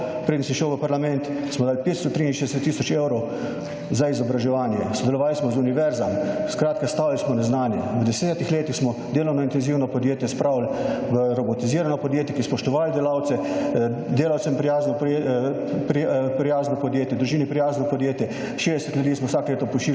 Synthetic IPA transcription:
pɾeːd̪nsiʃɛwʋəpaɾlamɛnt̪ | smɔd̪aːlpeːt̪st̪ɔt̪ɾiːinʃezd̪ɛsɛt̪ːisɔt͡ʃeːwɾow | zaizɔbɾaʒɛʋaːnjɛsɔd̪ɛlɔʋaːlsmɔzuniʋɛɾzamskɾaːt̪kast̪aːwlsmɔnɛznaːnjɛʋəd̪ɛsɛːt̪ixleːt̪ixsmɔd̪eːlownɔint̪ɛnziːwnɔpɔd̪jeːt̪jɛspɾaːwlʋəɾɔbɔt̪iziːɾanɔpɔd̪jeːt̪jɛkispɔʃt̪ɔʋaːld̪ɛlawt̪sɛ | d̪eːlawt̪sɛmpɾijaːznɔ | pɾpɾijaːznɔpɔd̪jeːt̪jɛd̪ɾuʒiːnipɾijaːznɔpɔd̪jeːt̪jɛ | ʃeːd̪ɛsɛt̪ljud̪iːsmɔwsaːkleːt̪ɔpuʃt͡ʃiːl

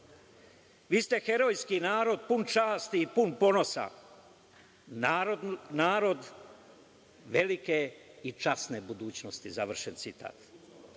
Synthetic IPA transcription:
ʋiːst̪e̞xe̞ɾo̞jskinaːɾo̞d̪̚punt͡ʃaːst̪iːpunpo̞no̞sa̰ | naːɾonaːɾo̞d̪ | ʋe̞likeit͡ʃasne̞bud̪uːt͡ɕno̞st̪izaʋr̩ʃent̪sit̪a̰ːt̪

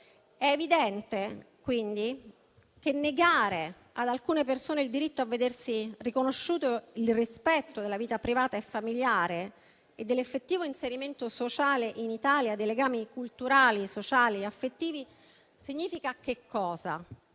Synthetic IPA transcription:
ɛevid̪ɛnt̪e | kwind̪i | k̟enːeɡaːɾe | ad̪alkuːnepersoːneild̪iɾit̪ːoavːed̪ersirikonoʃːuːt̪oilrispɛt̪ːod̪elːaviːt̪apɾivaːt̪aefːamiljaːɾe | ed̪ːelːefːet̪ːiːvoinseɾiment̪osot͡ʃaːleʔinit̪aːljad̪ːejleɡaːmikult̪uɾaːlisot͡ʃaːliafːet̪ːiːvi | siɲːiːfikak̟ekʰːɔːza̰

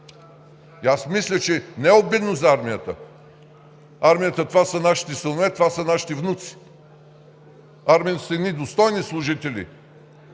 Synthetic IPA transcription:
iasmislʲət͡ʃɛnɛɛobɛd̪nozɐaɾmijət̪ə̰ | aɾmijət̪ət̪ovasənaʃi̥t̪ɛsənovɛt̪ovasənaʃi̥t̪ɛvnut̪si̥ | aɾmijət̪ə̥səɛd̪nid̪ost̪ɔjnislˠʊʒit̪ɛlʲḭ

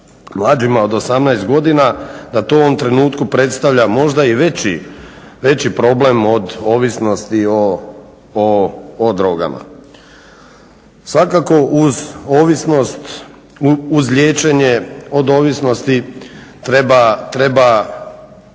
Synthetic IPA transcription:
mlˠaːd͡ʒimao̞d̪o̞samnaest̪̚ɡo̞d̪inad̪at̪ooʋomt̪ɾe̞nuːt̪kupɾe̞t̪st̪aʋʎamo̞ʒd̪aiʋet͡ɕi | ʋe̞t͡ɕipɾo̞ble̞mo̞d̪o̞ːʋisno̞st̪io | oːd̪ɾo̞ɡa̰ma̰ | sʋakako̞ʔuzoʋisnost̪ | uzʎʲje̞ːt͡ʃe̞ɲe̞o̞d̪o̞ːʋisno̞st̪it̪ɾebat̪ɾe̞ba

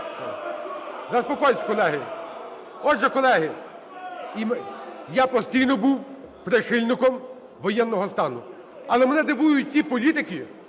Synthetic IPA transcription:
zɐspɔkɔjsʲkɔlˠɛɦɪ | ɔdʒɛkɔlˠɛɦɪ | imjapɔsʲtʲijnɔbuwpɾɪxɪlʲnɪkɔm | ʋɔjɛnːɔɦɔst̪ɑnʊ̰ | ɐlˠɛmenɛd̪ɪʋujʊt̚ʲtʲipɔlʲit̪ɪkɪ

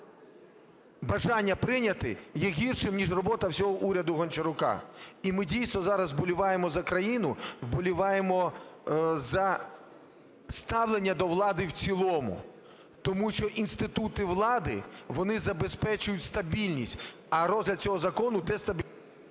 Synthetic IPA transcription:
bɐʒɑnʲːɐpɾɪnʲɐt̪ɪ̰jɛɦʲirʃɪmnʲiʒrɔbɔt̪ɐwsʲɔɦɔʔuɾʲɐd̪ʊɦɔnʲt͡ʃɪɾʊkɑ̰imɪdʲijsnɔzɑɾɐzbɔlʲʊʋɑjemɔzɐkɾɐjinʊwbɔlʲʊʋɑjemɔ | zɐ | st̪ɑwlˠenʲːɐd̪ɔʋlˠɑd̪ɪwt͡sʲilˠɔmʊ̰ | t̪ɔmuʃt͡ʃɔʔinst̪ɪt̪ut̪ɪʋlˠɑd̪ɪ̰ʋɔnɪzɐbespɛt͡ʃʊjʊtʲst̪ɐbʲilʲnʲisʲtʲ | ɐɾɔzʲlʲɐd̪̚t͡sʲɔɦɔzɐkɔnʊd̪ɛst̪ɐbʲi

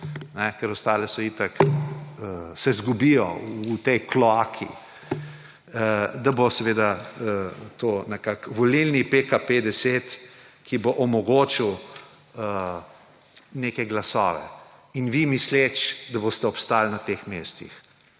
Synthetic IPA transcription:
nɛkɛɾɔst̪aːlɛsɔjiːt̪ɐkəsɛzɡubijɔ̰ut̪ɛjklɔaːkʰḭ | d̪abosɛʋeːd̪a | t̪onɛkakʋɔlilnipekaped̪ɛseːt̪kiboʔɔmɔɡoːt͡ʃiw | ə | neːkɛɡlasɔ̰ːʋɛ̰ | inʋimislet͡ʃd̪abost̪ɛɔpst̪aːlnat̪eːxmeːst̪ḭx

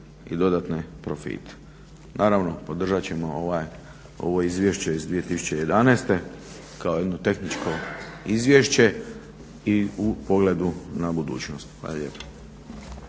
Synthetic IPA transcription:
ḭd̪o̞d̪at̪nepɾo̞fḭt̪e̥ | naːɾaʋno̞po̞d̪r̩ʒat͡ɕe̞mooʋaj | o̞̰ʋo̞izʋje̞ʃt͡ɕe̞izd̪ʋije̞t̪isu̥t͡ɕe̞je̞d̪anest̪e̞ | kaojed̪not̪e̞xnit͡ʃko̞izʋjeʃt͡ɕe̞ | iupoɡled̪unabud̪ṵːt͡ɕnost̪xʋa̰ːlaʎʲeːpḁ

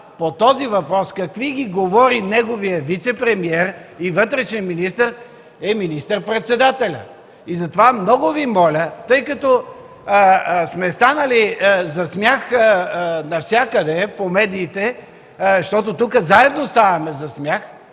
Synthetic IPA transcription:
pot̪ɔzivɐpɾɔskɐkviɡiɡovɔɾinɛɡovijəvit̪sɛpɾɛmiɛɾivɤt̪ɾɛʃɛminist̪əɾ | ɛminist̪əɾpɾɛt̪sɛd̪at̪ɛlʲə̰ | izɐt̪ovamnɔɡʊvimɔlʲət̪ɤjkɐt̪ɔ | smɛst̪anəlizɐsmʲjax | nɐfsʲjakəd̪ɛpomɛd̪iːt̪ɛ | ʃt̪ɔt̪ot̪ukəzaɛd̪nost̪avɐmɛzɐsmʲjax

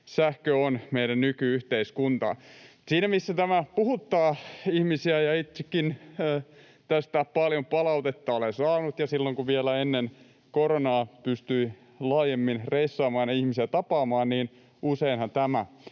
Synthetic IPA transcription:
sæhkøonmeiɾænnykyyht̪eiskunt̪ɑ̰siːnæmisːæt̪æmæpuhut̪ːɑːihmisiæjɑit̪sekːinː | t̪æst̪æpɑljompɑlɑut̪et̪ːɑolesɑːnut̪jɑsilːoŋkuʋielæenːen | koɾonɑːpyst̪yi | lɑːjemːinreisːɑːmɑːnɑihmisiet̪ɑpɑːmɑːnniːn | ʔuseinhɑnt̪æmæ

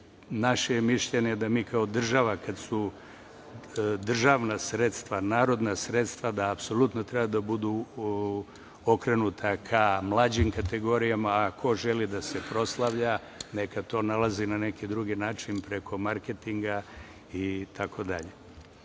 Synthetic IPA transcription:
naʃemiʃʎeɲed̪amiːkaod̪r̩ʒaʋakad̪su | d̪r̩ʒaʋnasɾet̪st̪ʋanaːɾo̞d̪nasɾe̞t̪st̪ʋad̪aːpso̞lut̪not̪ɾe̞bad̪abud̪u | o̞kɾe̞nut̪ʰakʰamlˠaːd͡ʑimkat̪e̞ɡo̞ɾijamaːkʰo̞ʒe̞lid̪ase̞pɾo̞slˠaʋʎa | ne̞kat̪o̞ːnalˠazinane̞kid̪ɾuɡinaːt͡ʃinpɾe̞kʰo̞maɾket̪iŋɡa | it̪ʰakʰo̞d̪aʎe

